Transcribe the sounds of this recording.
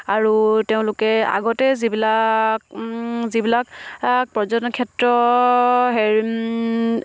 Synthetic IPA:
aɹuteʊ̃lʊkɛa̰ɡɔtɛzibilakzibilak̚pɔzɔnkʰɛtɹɔ | ɦɛɹ

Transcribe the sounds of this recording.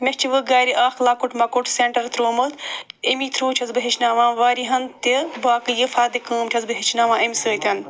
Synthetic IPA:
mest͡ʃʰiʋɨɡaːɾiʔaːxlaːkuʈmɐkuʈʰseɳʈɐɾt̪ɾoːmət̪emiːt̪ʰɾuːt͡ʃʰɐzbɨɦit͡ʃʰnaːʋãːʋaːɾiɦɐnt̪ibaːkɨjɨfaːd̪ikəːmt͡ʃʲʰɐzbɨɦit͡ʃʰnaːʋãːɐmʲsəːt̪ʲɐn

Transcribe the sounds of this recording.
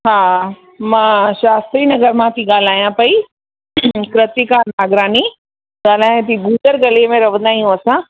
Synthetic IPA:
ɦa | mãɕaːst̪ɾiːnɐɡəɾmãt̪ʰiɡaːl̤aːjãpɐi | kɾət̪ikanaːɡɾaːni | ɡaːl̤aːjãt̪iɡuːd̪əɾɡɐliəmẽɾɐʋə̃nd̪aːijũɐsã

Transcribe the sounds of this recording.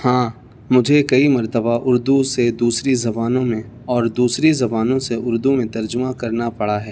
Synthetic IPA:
hãː | mʊd͡ʒʱekɐimɐɾt̪əbaʔʊɾd̪used̪uːsɾizɐbaːnõmẽ | ɔːɾd̪uːsɾizɐbaːnõseʊɾd̪umẽt̪ɐɾd͡ʒʊmakɐɾnapɐɽaɦɛː

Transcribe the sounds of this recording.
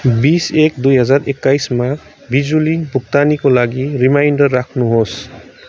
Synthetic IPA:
bisek̚d̪ujɦʌzaɾekːajsma | bʱizulibʱuk̚t̪anikolaɡiɾimajnɖʌɾːakʰnuɦos

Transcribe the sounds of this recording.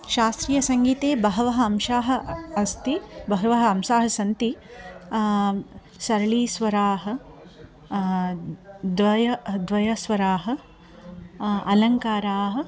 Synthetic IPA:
ʃaːst̪ɾijɐsɐŋɡiːt̪eːbɐɦɐʋɐɦɐɐmʃaːɦɐ̆ɐst̪ibɐɦɐʋɐɦɐɐmʃaːɦɐsɐnt̪i | sɐɾɐɭiːsʋɐɾaːɦɐ̆ | d̪ʋɐjɐd̪ʋɐjɐsʋɐɾaːɦɐ̆ | ɐlɐŋkaːɾaːɦɐ̆

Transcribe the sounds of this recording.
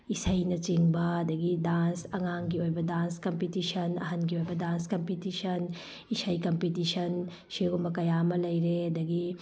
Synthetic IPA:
isɐjnɐt͡ʃiŋbɐɐd̪ɐɡidansɐŋaŋɡiojbɐdanskɐmpitisɐnɐ̰ɦɐnɡiojbɐdanskɐmpitisʰɐn | isɐjkɐmpitisɐn | siɡumɐkɐjamɐlɐjɾeɐd̪ɐɡi

